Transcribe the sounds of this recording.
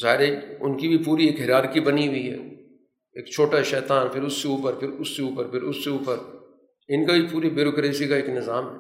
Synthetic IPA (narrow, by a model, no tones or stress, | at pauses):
zaːɦɪɾeʊ̰nkibʱipuːɾieːkɦɪɾaːɾkibɐniɦʊiɦɛ̰ː | eːkt͡ʃʰoːʈaʃɛːt̪aːnpʰɪɾʊsːeuːpəɾpʰɪɾʊsːeuːpəɾpʰɪɾʊsːeuːpəɾ | ɪnkabʱipuːɾibjʊːɾoːkɾeːsikaeːknɪzaːmɦɛ